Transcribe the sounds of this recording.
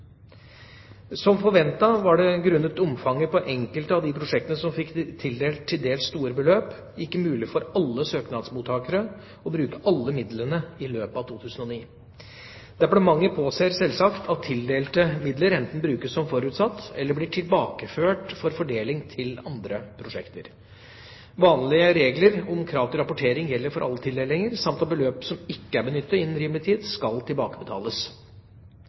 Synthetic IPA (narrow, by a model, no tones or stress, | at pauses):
sɔmfɔɾʋɛnt̪ɑʋɑɖɛɡɾʉnːət̪ʊmfɑŋːəpʰɔʔɛŋkəlt̪ɑʋd̪ɪpʰɾʊʂɛkt̪ənəsɔmfɪkt̪ʰːɪld̪eːlt̪ʰːɪld̪eːlsst̪uːɾəbəløːp | ɪkːəmʉːlɪfɔɾɑlːəsøːknɑd̪smuːt̪ʰɑːkəɾə | ɔbɾʉːkəʔɑlːəmɪd̪lənəɪløːpəɑʋt̪ʰuːt̪ʰʉːsən̩ɔniː | d̪æbɽɔmɑŋːəpʰoːseːɾsɛlsɑkt̪ʰɑt̪ʰːɪld̪eːlt̪əmɪd̪ləɾɛnt̪n̩bɾʉːkəssɔmfɔɾʉːt̪sɑt̪ːɛlːəɾblɪːʈʰɪlbɑːkəføːʈfɔɾfɔɖeːlɪŋt̪ʰɪlɑnd̪ɾəpʰɾʊʂɛkt̪əɾ | ʋɑːnlɪəɾeːɡləɾɔmkʰɾɑːʋt̪ɔɾɑpʊʈʰeːɾɪŋjɛlːəɾfɔɾʔɑ̰lːət̪ʰɪld̪eːlɪŋəɾsɑmt̪ɑt̪̚bəløːpsɔmɪkːəæɾbənʏt̪ːɑɪnːən̩ɾiːməlɪt̪ʰiːd̪skɑlt̪ʰɪlbɑːkəbət̪ʰɑ̰ːləs